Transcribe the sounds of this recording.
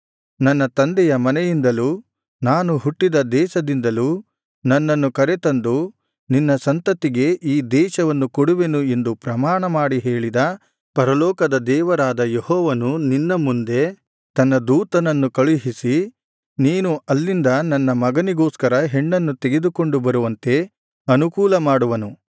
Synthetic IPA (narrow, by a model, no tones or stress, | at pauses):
nɐnːɐt̪ɐnd̪ɛjɐmɐnɛjind̪ɐlu | naːnuɦuʈːid̪ɐd̪ɛːʃɐd̪ind̪ɐluː | nɐnːɐnːukɐɾet̪ɐnd̪u | ninːɐsɐnt̪ɐt̪ːiɡe̞ʔiːd̪ɛːʃɐʋɐnːukoɽuʋe̞nue̞nd̪upɾɐmaːɳɐmaːɽiɦe̞ːɭid̪ɐ | pɐɾɐlɔːkɐd̪ɐd̪ɛːʋɐɾaːd̪ɐjehɔːʋɐnuninːɐmund̪e̞ | t̪ɐnːɐd̪uːt̪ɐnɐnːukɐɭiɦisi | niːnuɐlːind̪ɐnɐnːɐmɐɡɐniɡo̞ːskɐɾɐɦe̞ɳːɐnːut̪eɡe̞d̪uko̞ɳɖubɐɾuʋɐnt̪e̞ | ɐnukuːlɐmaːɽuʋɐnu